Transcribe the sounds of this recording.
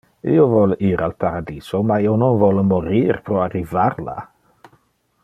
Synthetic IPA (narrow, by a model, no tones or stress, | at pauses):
ḭːovɔliɾalpaɾad̪iːz̥omaiononvɔlmoɾiːɾpɾɔarːivaɾla̰